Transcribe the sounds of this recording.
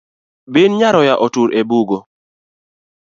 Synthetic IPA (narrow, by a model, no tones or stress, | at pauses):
binɲaɾɔjaʔotuɾʔebuɡo